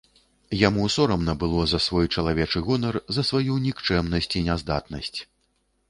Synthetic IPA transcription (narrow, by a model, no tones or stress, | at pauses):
jamusɔɾɐmnɐbɨlˠɔzɐsvɔjt͡ʂɐlˠavʲɛt͡ʂɨɣɔnɐrzɐsvajunʲikt͡ʂɛmnɐsʲt͡sʲinʲɛzd̪at̪̚nɐsʲt͡sʲ